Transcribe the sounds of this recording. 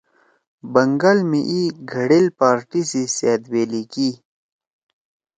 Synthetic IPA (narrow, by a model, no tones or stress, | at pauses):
bɐŋɡalmiʔiɡʱɐɽilpaːɾʈisiseːd̪weːliki